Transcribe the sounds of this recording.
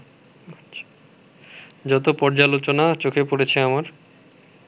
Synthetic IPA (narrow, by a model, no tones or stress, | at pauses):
aḁ | d͡ʑɔt̪opɔɾd͡ʑalot͡ɕonat͡ɕokʰepoɾet͡ɕʰeamaɾ